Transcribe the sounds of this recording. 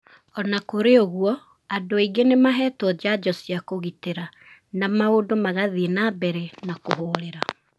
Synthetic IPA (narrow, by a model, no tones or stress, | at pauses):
ɔnakoɾeoɣwɔ | adoiɡenemaɦɛtwɔd͡ʑad͡ʒɔsiakoɣiteɾa | namaodomaɣaðienabɛɾenakoɦoɾeɾa